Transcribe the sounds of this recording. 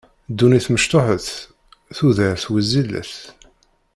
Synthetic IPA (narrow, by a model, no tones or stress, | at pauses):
d̪ːuniθməʃt̪oħəθ | θuðəɾθwəzːilə̰θ